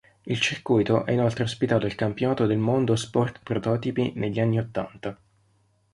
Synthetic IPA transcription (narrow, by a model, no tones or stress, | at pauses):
ilt͡ʃirkujt̪oʔɛ̰inolt̪ɾeospit̪aːt̪oilkampjonaːt̪od̪elmond̪ospɔrt̪pɾot̪ɔːt̪ipineʎːianːiot̪ːa̰nt̪a